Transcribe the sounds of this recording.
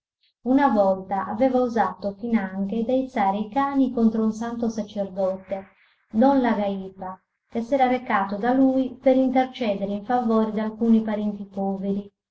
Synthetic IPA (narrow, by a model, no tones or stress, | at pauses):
unavɔlt̪aʔa̰vɛːvauzaːt̪ofinaŋked̪ait̪saːɾeikaːnikont̪ɾounsant̪osat͡ʃerd̪ɔt̪e | nonlaɡaiːpa | kesɛːɾaɾekaːt̪od̪aluipeɾint̪ert͡ʃɛːd̪eɾeiɱfavɔːɾid̪alkuːnipaɾɛnt̪ipɔːveɾi